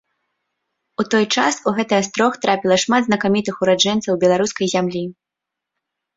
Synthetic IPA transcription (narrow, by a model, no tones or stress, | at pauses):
ut̪ɔjt͡ʂasuɣɛt̪ɨjɐst̪ɾɔxt̪ɾapʲilˠɐʂmad̪znɐkamʲit̪ɨxuɾad͡ʐɛnt̪sɐwbʲɛlˠaɾuskɐjzʲamlʲi